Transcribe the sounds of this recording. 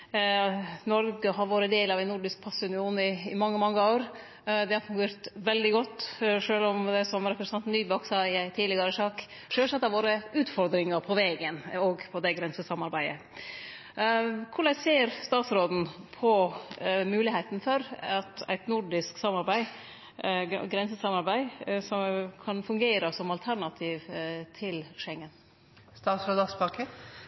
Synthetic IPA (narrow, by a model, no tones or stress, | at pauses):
nɔɾɡəɦɑɾʋoːɾəd̪eːlɑʋæɪnːʊɖɪsk̚pʰɑsəʉnɪuːnɪːmɑŋːəmɑŋːəoːɾ | d̪ɛhɑɾfʉŋɡeːɾt̪ʋɛld̪ɪɡɔt̪ːʂøːlɔmd̪ɛsɔmɾɛpɾəsʰɑnt̪n̩ːyːbɔksɑːɪæɪt̪ʰiːd̪lɪɡɑɾəʂɑːk | ʂɛːʂɛt̪ːɑʋoːɾəʉːt̪fɔɾd̪ɾɪŋɑɾpʰɔʋeːɡənɔɡpʰɔd̪ɛɡɾɛnsəsɑmɑɾbæɪə̰ | kʰʊɭɛseːɾst̪ɑːt̪sɾoːd̪n̩pʰɔ | mʉːlɪhæɪt̪nfɔɾɑt̪æ̰ɪt̪nʊɖɪsksɑmːɑɾbæɪ | ɡɾɛnsəsɑmɑɾbæɪsɔkʰɑnfʉŋɡeːɾəsɔmɑlt̪ʰæɾɳɑt̪ʰiːʋt̪ʰɪlʃɛŋːən | st̪ɑːt̪sɾoːd̪ɑsbɑːkə